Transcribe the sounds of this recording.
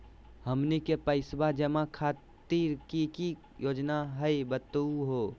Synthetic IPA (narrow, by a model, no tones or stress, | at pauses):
həmnikepəɪsbad͡ʒəmakʰaː | t̪iɾkiki | joːd͡ʒnaɦəjbət̪uɦo